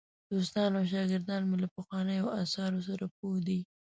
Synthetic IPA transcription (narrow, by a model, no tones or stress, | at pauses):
d̪̥os̬t̪ɑnawʃ̬ɑɡɪɾd̪ɑnmelapəxwɑnəjawasɑɾos̬aɾap̚od̪i